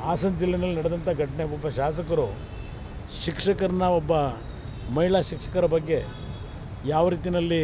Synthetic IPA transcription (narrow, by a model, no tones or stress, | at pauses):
aːsɐnd͡ʒilːɐnɐlːinɐɽed̪ɐnt̪ʰɐɡɐʈɐɳeɔbːɐʃaːs̬ɐkɐɾu | ʃikʂɐkɐɾɐnɐɔbːɐ | mɐɦiɭaːʃikʂɐ̥kɐɾɐbɐɡːe̞ | jaːʋɐɾiːt̪inɐlːi